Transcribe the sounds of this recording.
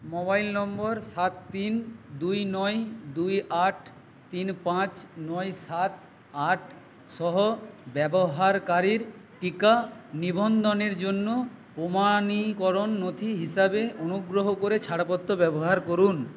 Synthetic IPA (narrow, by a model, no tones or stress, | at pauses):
mobajlnɔmbɔɾsat̪ːind̪ujnɔjd̪ujʔaʈʰ | t̪inpãt͡ɕnɔjsat̪ | aʈʰ | ʃɔɦobɛboɦaɾkaɾiɾʈikanibʱond̪oneɾd͡ʑonːopomanikɔɾonːot̪ʰiɦiʃabeonuɡɾoɦokoɾet͡ɕʰaɽapot̪ːobɛboɦaɾkoɾun